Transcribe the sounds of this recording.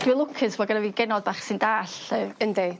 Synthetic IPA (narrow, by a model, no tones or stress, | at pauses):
d̥wɨlˠʊkʰɨswɔɡənaviːɡɛnɔd̚baːχsɨndaːɬəənde